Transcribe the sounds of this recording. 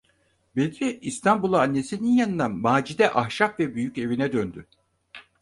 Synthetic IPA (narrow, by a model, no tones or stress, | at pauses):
bed̪ɾiist̪ʰambulˠaːnːe̞sininjanɯnd̪amaːd͡ʒid̪ɛʔahʃapvɛbyjyce̞vinɛd̪ønd̪y